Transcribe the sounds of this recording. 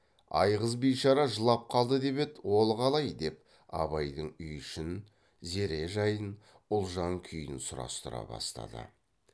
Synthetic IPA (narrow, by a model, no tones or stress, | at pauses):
ɑ̰jʁəzbijʃɑɾɑʒəlˠɑp̚qʰɑlˠd̪əd̪e̞be̞t̪wo̞lˠqʰɑlˠɑjd̪e̞p̚ | ɑ̰βɑjd̪əɴʏjʏʃɪn | ze̞ɾe̞ʒɑjən | ʊlˠʒɑŋkʲʰʏjɪnsʊɾɑ̰st̪əɾɑ̰bɑ̰st̪ɑ̰d̪ə̰